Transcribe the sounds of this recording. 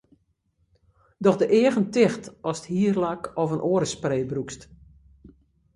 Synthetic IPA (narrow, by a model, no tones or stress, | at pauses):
dɔxdəʔɪəɣəntɪxtɔsthiərlakɔvənʔoəɾəspreːbrukst